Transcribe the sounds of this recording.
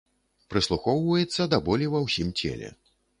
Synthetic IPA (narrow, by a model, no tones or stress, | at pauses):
pɾɨslˠuxɔwvɐjɛt̪sːɐd̪abɔlʲivɐwsʲimt͡sʲɛ̰lʲɛ̰